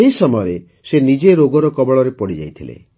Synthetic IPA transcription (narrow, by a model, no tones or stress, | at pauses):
eɦisɔmɔjɔɾe | senid͡ʒeɾoɡɔɾɔkɔbɔɭɔɾepɔɽid͡ʒa̰jt̪ʰilḛ